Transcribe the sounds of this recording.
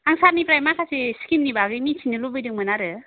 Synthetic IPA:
aŋsaɾnipɾajmakʰasʰiskimnibaɡɯjmitʰinɯlubɯjdɯŋmɯnaɾɯ

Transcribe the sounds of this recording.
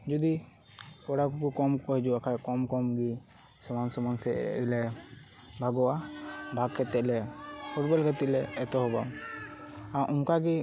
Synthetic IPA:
d͡ʒud̪i | kɔɽakukukɔmkɔɦɛd͡ʒuakʰajkɔmkɔmɡi | sɔmansɔmansɛ̰ilɛ | bʱaɡɔwabʱaɡkɛt̪ɛʔlɛpʰuʈ̚bɔlɡat̪itlɛːt̪ɔɦɔbam | aʔumkaɡi

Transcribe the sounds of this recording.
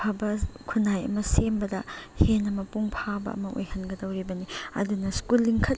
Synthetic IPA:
abɐkʰunajɐ̰mɐsembɐdɐhenːɐmɐpuŋpʰabɐ̰ʔɐ̰mɐʔo̰jhɐnɡɐdɐwɾibɐniɐ̰dunɐskulːiŋkʰɐt

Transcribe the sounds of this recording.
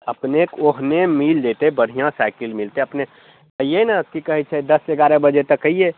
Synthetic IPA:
əpnekoɦnemild̪et̪ebəɽ̤ijãsaɪkɪlmɪlt̪eɐpne | əɦijenakikɐɦɛt͡ʃʰɛd̪ɐseɡaːɾebəd͡ʒet̪ɐkːəie

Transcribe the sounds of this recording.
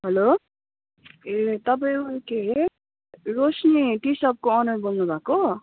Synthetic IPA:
ɦʌlo | et̪ʌpaĩukeɦe | ɾosniʈisʌp̚koʌnʌrbʌlnubʱako

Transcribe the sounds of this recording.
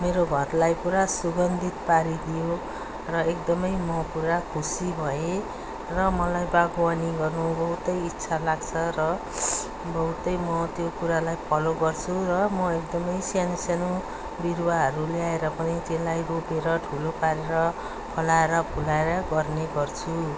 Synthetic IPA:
meɾoɡʱʌrlajpuɾasuɡʌnd̪ʱit̪̚paɾid̪ijo | rʌek̚d̪ʌmʌjmʌpuɾakʰusibʱʌe | rʌmʌlajbaɡwaniɡʌrnubʌɦut̪ʌjitːsʰalaɡt͡sʰʌrʌ | bʌɦut̪ʌjmʌt̪jokuɾalajpʰʌloɡʌrt͡sʰurʌmʌekd̪ʌmʌjsijanisanu | birwaɦʌɾuleaeɾʌpʌnit̪elajropeɾʌʈʰulopaɾeɾʌ | pʰʌlaeɾʌbʱulaeɾʌɡʌrneɡʌrt͡sʰu

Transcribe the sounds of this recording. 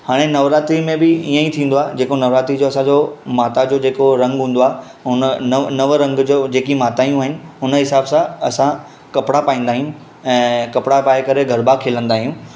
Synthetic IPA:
haːɽ̃enɐʋɾaːt̪imẽbɪijə̃it̪ʰĩːn̆d̪oaːd͡ʑeːkonɐʋɾaːt̪id͡ʑoːɐsãd͡ʑomaːt̪ad͡ʑoːd͡ʑeːkoɾɐ̃ŋɡɦũːn̆d̪oaːe | ɦʊnənnɐʋɾɐ̃ŋɡd͡ʑoːd͡ʑeːkimaːt̪aːijũaɦɪnɪ̆ʊnəɦɪsaːbsãɐsã | kɐpɪɽapaːĩːn̆d̪aːɦijũ | ɛ̃ːkɐpɽapaːekɐɾeɡʱɐɾbaːkʰeːlə̃nd̪aːɦijũː

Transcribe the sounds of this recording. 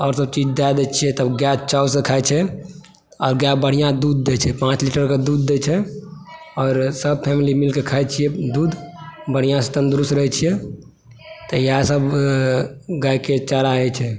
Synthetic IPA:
ɔːɾsəb̚t͡ʃid͡ʒd̪ajd̪ɛt͡ʃʰiɛt̪əbɡjat͡ʃasẽkʰaɛt͡ʃʰɛ | ɔːɾɡjabəɽ̤ijãd̪ud̪ːet͡ʃʰɛpãt͡ʃliʈəɾked̪ud̪̚ːet͡ʃʰɛ | ɔːɾsəb̚pʰɛmilimilkekʰaɛt͡ʃʰijɛd̪uːd̪bəɽ̤ijãset̪ənd̪ɾustɾəɦɛt͡ʃʰijɛ | t̪ɔjasəb | ɡajket͡ʃaɾaɛt͡ʃʰɛ

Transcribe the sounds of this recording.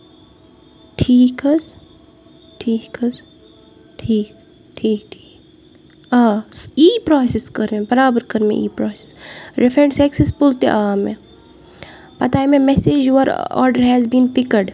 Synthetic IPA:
ʈʰiːkɐz | ʈʰiːkɐz | ʈʰiːk | ʈʰiːk̚ʈʰi̥ː | asiːpɾɔːsɪskɐɾmẽbɐɾaːbəɾkɐɾmḛʔiːpɾɔːse̥sɾɛfɾẽɳsɛksespʊlt̪ḛʔaːmẽ | pɐt̪amẽmɛseːd͡ʒjuʋəɾɔ̰ːɾɖəɾɦɛzbĩːnpɪkəɾɖ

